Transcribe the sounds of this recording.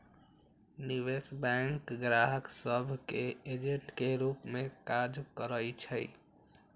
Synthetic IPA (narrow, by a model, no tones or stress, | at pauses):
niʋesbɛŋkɡɾaɦəksəbʱkeed͡ʒeɳʈkeɾupmẽkad͡ʒkəɾəjt͡ʃʰə